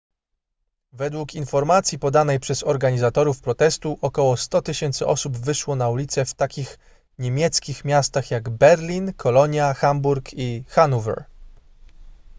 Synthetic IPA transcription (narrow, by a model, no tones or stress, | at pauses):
vɛd̪wukinfɔɾmat̪sʲjipɔd̪anɛjpʂɛzɔɾɡaɲizat̪ɔɾufpɾɔt̪ɛst̪uʔɔkɔwɔst̪ɔt̪ɘɕɛnt̪sɘʔɔsubvɘʂwɔnaulʲit̪sɛft̪akʲix | ɲemʲjɛt̪skʲixmʲjast̪axjaɡbɛɾlʲinkʰɔlɔɲjaxambuɾkʰixanuvɛ̰ɾ